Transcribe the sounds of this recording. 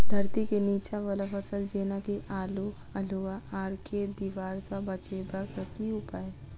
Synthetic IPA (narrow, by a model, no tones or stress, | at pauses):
d̪ʱɐɾt̪ikeniːt͡ʃaʋɐlafʰəsəld͡ʒeːnakiʔaːlu | ɐluaaːɾked̪iːʋaːɾsabɐt͡ʃeːbakət̪iʊpaːe